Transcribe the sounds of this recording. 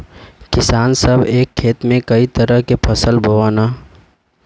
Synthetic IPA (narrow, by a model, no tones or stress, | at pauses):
kɪsaːnsəbʱeːkʰːeːt̪mẽkəit̪əɾəɦkepʰɐsəlbʱəʋaːnaː